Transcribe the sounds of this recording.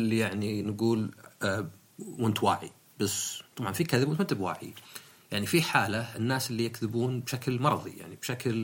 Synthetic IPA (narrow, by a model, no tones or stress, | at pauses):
ɪlːijaʕninɡuːl | mʊnt̪wa̰ːʕḭ | bast̪ˤɑbʕɑnfikaðɪbmʊt̪mat̪ːɪbwa̰ːʕḭ | jaʕnifiħaːlaʔɪnːaːsɪlːijakðɪbuːnbʃaklmɑɾˤðˤḭja̰ʕnib̥ʃakl